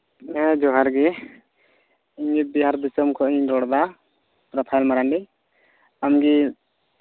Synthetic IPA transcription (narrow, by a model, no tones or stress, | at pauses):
ɛ̃d͡ʒɔɦaɾɡɛ | iɲibiɦaɾd̪isɔmkʰɔʔiɲdɔɽd̪a | pɾɔpʰajlmaɾanɖi | amɡi